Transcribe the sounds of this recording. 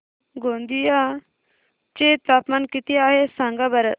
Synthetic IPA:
ɡoːnd̪ija | t͡ʃet̪aːpmankit̪iaːɦesaŋɡabɐɾɐ

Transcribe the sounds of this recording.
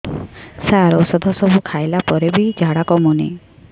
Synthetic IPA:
saɾɔsɔd̪ʱɔsɔbʱukʰajlapɔɾebid͡ʒʱaɽakɔmunḛ

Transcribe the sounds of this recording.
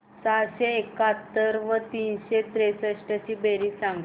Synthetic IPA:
t͡saɕeːkat̪ːəɾʋət̪iːnɕet̪ɾesəɕʈəɕiːbeɾiːsãŋɡ

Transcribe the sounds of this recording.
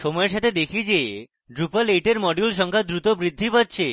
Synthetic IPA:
ʃɔmɔeɾʃat̪ʰed̪ekʰid͡ʑe | ɖɾupaleʈeɾmɔɖulʃ̬ɔŋkʰad̪ɾut̪obɾid̪ʱːipatːɕʰe

